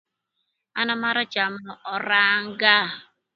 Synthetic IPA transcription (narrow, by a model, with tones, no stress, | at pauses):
a˦na˦ma˦ɾa˦t͡ʃa˨m̩˦nʊ˨ɔ˨ɾa˦ŋ̩˦ɡa˦˨